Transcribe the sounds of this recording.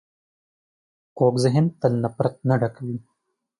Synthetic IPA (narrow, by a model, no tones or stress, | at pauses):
koːɡzɐɦent̪ɐlnɐpɾɐt̪̚nɐɖɐkɐwi